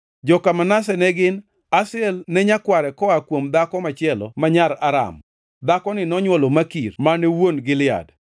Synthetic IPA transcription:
d͡ʒɔkamanasɛnɛɡɪn | asɪɛlnɛɲakwaɾɛkɔakwomd̪akɔmat͡ʃɪɛlɔ̰maɲaɾaɾa̰m | d̪akɔnɪnɔɲwɔlomakirmanɛwonɡɪlɪa̰d

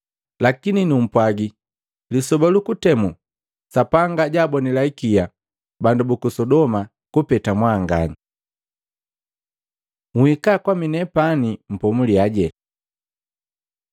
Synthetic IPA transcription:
lakininum̩pwaɡi | lisɔbalukutɛmu | sapaŋɡaɟaːbɔnilaikija | bandubukusɔdɔma | kupɛtamwaːŋɡa̰ni | ŋuhikakwaminɛpanim̩pɔmuliaɟɛ

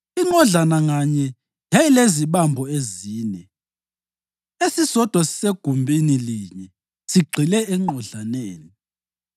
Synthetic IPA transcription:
iŋ͡ǃɔɮanaŋaɲɛ | ɦɛileziɓambʱɔeziːnɛ | esisɔd̥ʱwasi̥seɡ̥ʱumbʱiniliɲɛ | siɡ͡ǀʱilɛɛŋ͡ǃɔɮaneːni

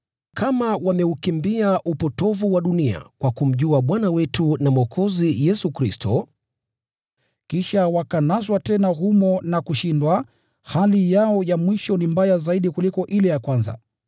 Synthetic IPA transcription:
kʰamawamɛukimbiaʔupɔtɔvuwaɗunia̰kwakum̩ʄuaɓwanawɛtunamɔkʰɔzijɛsukɾistɔ | kiʃawakanaswatɛnaɦumɔnakuʃindwa | halijaɔjamwiʃɔnimbajazaiɗikulikɔʔilɛjakwanza̰

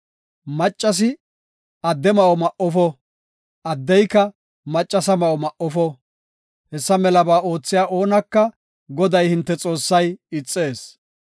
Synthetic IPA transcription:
mɐt͡ʃʼːɐs̬ɪ | ɐd̪ːɛmɐʔɔmɐʔɔfɔ | ʔɐd̪ːɛjkːɐ | mɐt͡ʃʼːɐsɐmɐʔɔmɐʔɔfɔ | hɛsːɐmɛlɐbaːʔo̞ːt͡sːɪjaːʔo̞ːnɐkːɐ | ɡɔd̪ɐjhɪnt̪ːɛt͡sʼo̞ːsːɐjɪt͡sʼːe̞ːs

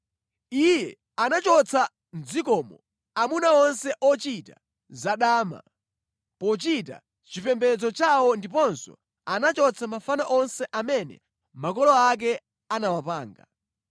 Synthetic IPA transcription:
ijɛ | anat͡ʃɔt͡sʰa | nd͡zikɔmɔ | amunaɔnsɛʔɔt͡ʃita̰ | zaɗaːma̰ | pɔt͡ʃita̰ | t͡ʃipɛmbɛd͡zɔt͡ʃawɔndip̬ɔnsɔ̰ | anat͡ʃɔt͡sʰamafanaʔɔnsɛʔamɛnɛ̰ | makɔlɔak̬ɛ | anawapaːŋɡa̰

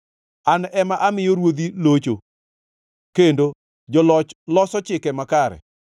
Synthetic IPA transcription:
anɛmaʔamɪjoɾwod̪ilot͡ʃo | kendo | d͡ʒɔlɔt͡ʃlɔsɔt͡ʃɪkɛmakaɾɛ̰

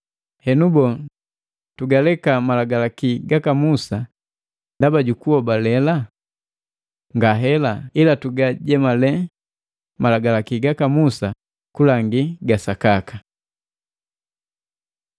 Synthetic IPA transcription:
hɛnubɔ | tuɡalɛkamalaɡalakiɡakamusa | ndabaɟukuɔbalɛla | ŋɡaɦɛlailatuɡaɟɛmalɛ | malaɡalakiɡakamusa | kulaŋɡiɡasakaka

